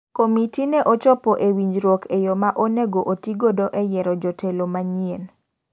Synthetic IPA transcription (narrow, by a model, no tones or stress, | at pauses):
komitinɛʔot͡ʃɔpɔʔewiɲd͡ʒɾwɔkejomaʔoneɡoʔotiɡodoʔɛjɛɾɔd͡ʒɔtʰelomaɲien